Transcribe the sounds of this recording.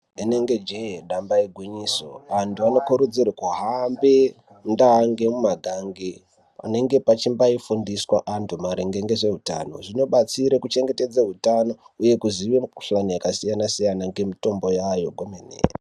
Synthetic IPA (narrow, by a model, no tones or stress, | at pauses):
ine̞ŋɡe̞d͡ʒejeɗambaiɡʱwiɲiːsoʋantʰuano̞kuɾud͡zirekuɦambe | ndaŋɡe̞mumaɡʱaŋɡe | a̰ne̞ŋɡe̞pat͡ʃimbaifundiswaʔantʰumaɾeŋɡe̞ŋɡe̞ʐe̞ɦuta̰no̞̰ʐino̞ɓat͡siɾekut͡ʃe̞ŋɡe̞te̞d͡zeɦutano̞ | uje̞kuziʋeɬanijakasijanasijanaŋɡe̞mito̞mbo̞jajo̞ɡʱomenḛe